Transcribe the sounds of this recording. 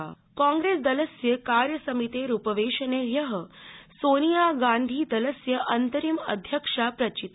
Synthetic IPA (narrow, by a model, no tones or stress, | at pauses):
kãŋɡɾeːsd̪ɐləsjəkaːɾjɐsɐmit̪eɾupəʋeːʃɐnejɐɦəsoːnijaɡaːnd̪ʱiːd̪ɐləsjəʔɐnt̪əɾimɐ̰d̪ʱjəkʂapɾɐt͡ʃit̪